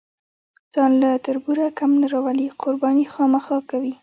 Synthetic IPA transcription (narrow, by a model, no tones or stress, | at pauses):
z̥ɑnlat̪aɾbuɾakamnaɾawaliqʰʊɾbɑnixɑmaxɑkawi